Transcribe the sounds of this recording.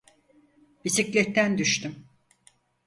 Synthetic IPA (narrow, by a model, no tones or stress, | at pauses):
bisiclʲɛt̪ːænd̪yʃt̪ʰym